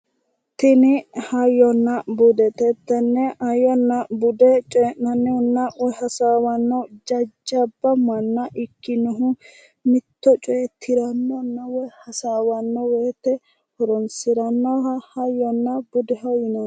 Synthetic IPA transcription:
t̪ɪnɪhɐjːɔnːɐbʊd̪ɛt̪ɛt̪ːɛnːɛɐjɔnːɐbʊd̪ɛt͡ʃʼɔɛʔɐnːɛɔnːɐwɔhɐsaːwɐnːɔd͡ʒɐd͡ʒːɐbːɐmɐnːɐʔɪkːɪnɔɦʊ | mɪt̪ːɔt͡ʃʼɔjɛt̪ʰːɪɾɐnːɔnːɐwɔjhɐsaːwɐnːɔweːt̪ɛ | hɔɾɔnsɪɾɐnːɔɦɐhɐjːɔnːɐbʊd̪ɛɦɐjɪnɔ

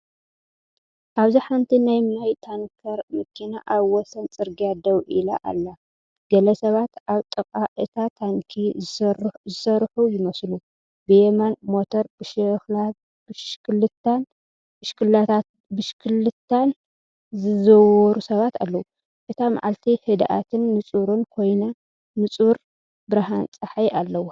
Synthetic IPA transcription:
ʔaβziħant̪ʰinajmajt̪ʰaŋkʰɐɾmɨkʰːinaʔaβwɔsɐnt͡sʼɨɾɡiad̪ɐwʔila̰ʔa̰lːa | ɡ̥ɐlɐsɐβat̪aβt̪ʼɨkʼaʔɨt̪ʰat̪ʰaŋkʰi | zɨsɐɾħujɪmɐslu | bɨjemanmot̪ʰoɾb̥ɨʃɛxla | bɨʃkʰɨlːɨt̪ʰːan | bɨʃkʰɨlːat̪ʰat̪̚bɨʃkʰɨlːɨt̪ʰːan | zɨzɐwɔɾusɐβat̪alːɐwu | ʔɨt̪ʰama̰ʕalt̪ʰihɨd̪ʔa̰t̪ʰɨnːɨt͡sʼuɾunkʰo̞jna | mɨt͡sʼuɾ | bɨɾaɦant͡sʼaħajalːɐwu

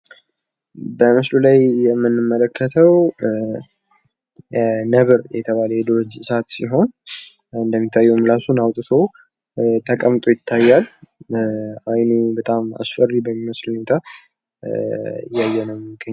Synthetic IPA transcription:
bəmɨslulajjɛmːɨnːɨmːələkʰːət̪ʰəw | nəβɨɾjɛ̰t̪ʰəβaləjed̪oɾod͡ʒɨsat̪siɦo̞n | ɨnd̪əmːit̪ʰːajːɛmlasunawt̪ʼɨt̪ʰo̞ | t̪ʰəkʼəmt̪ʼojɪt̪ʰːajːal | ajnubət̪ʼama̰sfəribəmːiməslhune̞t̪ʰa | ɪ̰jːajːɛnəwmɨɡəɲː

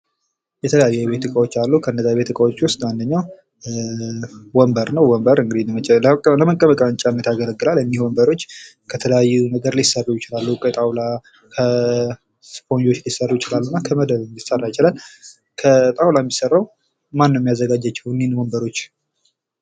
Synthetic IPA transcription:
jɛt̪ʰələjajːɛβe̞t̪ɨkʼəwo̞t͡ʃːalːukʰəɨnːəzaβe̞t̪ɨkʼəwot͡ʃːwʊst̪ʼwand̪əɲːaw | wɔmbəɾnəwwɔmbəɾɨŋɡɨd̪i | ləməkʼːəβəkʼənt͡ʃʼanːət̪aɡələɡːɨlalɛnːihwɔmbəɾo̞t͡ʃː | kʰət̪ʰələjajːunəɡəɾlisərːujɪt͡ʃɪlalːukʼət̪ʼawla | kʰə | spo̞nd͡ʒo̞t͡ʃːlisərːujɪt͡ʃɪlalːunːakʰəməd̪əβɨnisərːajɪt͡ʃɪlal | kʰət̪ʼawlamːisərːaw | manːəjɛmijazːəɡad͡ʒːat͡ʃːɛwnːinwɔmbəɾo̞t͡ʃː

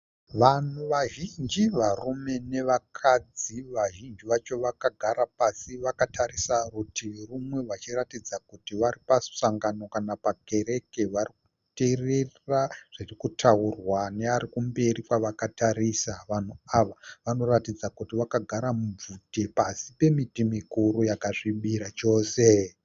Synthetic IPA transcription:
ʋan̤uʋaʒind͡ʒiʋarume̞ne̞ʋakʰad͡ziʋaʒind͡ʒiʋat͡ʃo̞ʋakaɡʱaɾapasiʋakatʰaɾisarutirumwe̞ʋat͡ʃiratid͡zakutiʋaɾipassaŋɡano̞kanapaɡʱe̞ɾe̞ke̞ʋariku̥ | tererraʐ̥irikutʰaurwane̞aɾikumbe̞ɾikwaʋakataɾisaʋan̤uaʋaʋano̞ratid͡zakutiʋakaɡʱaɾamub͡vutipasipe̞mitimikuɾujakaʐiɓiɾat͡ʃo̞ːse

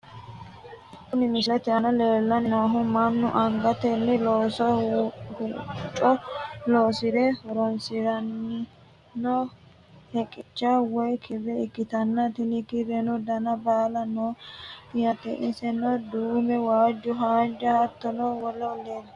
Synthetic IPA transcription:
kːʊnɪmɪslɛt̪ɪɐnɐleːlːɐnɪnoːɦʊmɐnːʊʔɐŋɡɐt̪ɛnːɪloːsɔhut͡ʃʼɔloːsɪɾɛhɔɾɔnsɪɾɐnː | no | hɛkʼɪt͡ʃːɐwɔjkʰɪrɛɪkːɪt̪ɐnːɐt̪ɪnɪkɪɾɛnɔd̪ɐnɐbaːlɐnojɐt̪ːɛ̰ʔɪnsɛnɔd̪uːmɛwaːd͡ʒːʊɦaːd͡ʒːɐhɐt̪ːɔnowɔlːɔlel

